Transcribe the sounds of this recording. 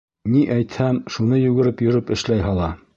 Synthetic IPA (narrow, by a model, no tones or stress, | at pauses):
niʔæjt̪hæmʃunɤjʉɡɘ̆ɾɘpjɵ̆ɾɘpɘ̆ʃlæjɦɑlˠɑ